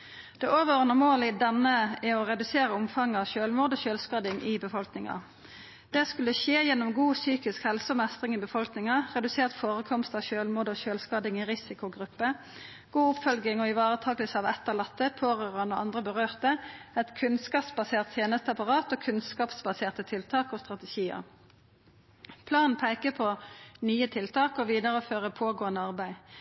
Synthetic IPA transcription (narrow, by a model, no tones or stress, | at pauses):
d̪̥ɛʔoːʋəʁənəmoːlɪd̪ɛnəɛɔʁɛd̪ʉseːʁəʊmfɑŋːɑʋʃøːlmoːd̪oːʃøːlskɑd̪ɪŋʔɪbəfɔlknɪŋɑ̰ | d̪̥ɛskʉlːəʃeːjɛnːɔmɡuːsyːkɪskhɛlsəɔmɛst̪ʁɪŋibəfɔlknɪŋɑʁɛd̪ʉseːʁt̪foːʁəkʰɔmst̪ɑːʋʃøːlmoːd̪oːʃøːlskɑd̪ɪŋɪʁɪsɪkʊɡʁʉpːə | ɡ̥uːʊpfɔlɡɪŋɔːɪʋɑːʁət̪ʰɑːɡəlsəɑːʋɛt̪ːəʁlɑt̪ːəpʰoːʁøːʁənoɑ̰nd̪ʁəbəʁøːʁt̪əɛt̪kʰʉnskɑːpsbɑseːʁt̪ʰjeːnəst̪əɑpɑʁɑːt̪oːkʰʉnskɑːpsbɑseːʁt̪ət̪ʰɪlt̪ʰɑːkɔst̪ʁɑt̪ɛʃiːə̰ | pʰlɑːnn̩pʰæɪkəpʰɔnyːət̪ʰɪlt̪ʰɑːkɔʋiːd̪əʁəɔføːʁəpʰoːɡoːənəɑʁbæɪ